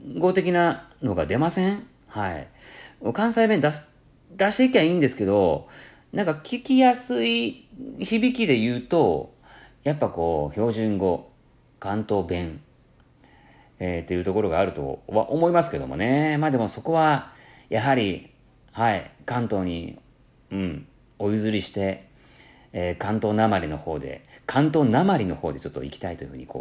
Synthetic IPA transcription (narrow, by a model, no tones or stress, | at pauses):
ɡo̞t̪e̞kʲinano̞ɡad̪e̞masẽ̞ɴ | haḭkokãɰ̃saibẽ̞nd̪as | d̪aɕi̥t̪e̞ikʲiaĩːnd̪e̞sɨ̥ke̞d̪o̞ | nãŋkakʲikʲijasɨi | çibʲikʲid̪e̞jɯ̟ːt̪o̞ | japːako̞ːço̞ːʑĩŋɡo̞ | kãnt̪o̞ːbẽ̞ŋ | et̪ːe̞jiɯ̟ːt̪o̞ko̞ɾo̞ɡaːɾɯ̟t̪o̞̰βa̰ʔo̞mo̞imasɨ̥ke̞d̪o̞̰mo̞̰ne̞maːd̪e̞mo̞so̞ko̞βa | jaɦaɾʲi | haikãnt̪o̞ːɲ̟ḭ | ɯ̟̃ɴ | o̞jɯ̟zɨɾʲiɕi̥t̪e̞ | kãnt̪o̞ːnamaɾʲino̞ho̞ːd̪e̞̰kʰãnt̪o̞ːnamaɾʲino̞ho̞ːd̪e̞t͡ɕo̞t̪ːoḭkʲi̥t̪ait̪o̞jɯ̟hɯ̟ːɲḭko̞̰ː